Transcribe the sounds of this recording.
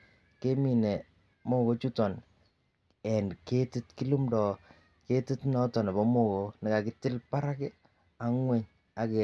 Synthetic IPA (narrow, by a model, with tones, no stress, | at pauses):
ke˦mi˨ne˨ | mo˦ko˨˦t͡ʃu˦tɔ˨n | ɛ˨nke˦ti˦tki˦lu˦mdɔ˨ | ke˦ti˦tnɔ˦tɔ˨na˨bɔ˨˦mo˦ko˨nɪ˨ka˨kɪ˦tɪ˦lpa˦ɾa˦kɛ˦ | a˨ŋwɛ˦ɲ | a˨ke˨